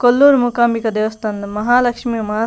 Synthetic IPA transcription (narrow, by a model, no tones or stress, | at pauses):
kɐlːuɾmukaːmikɐd̪eʋɐst̪ɐnmɐɦaːlɐkʂmimɐ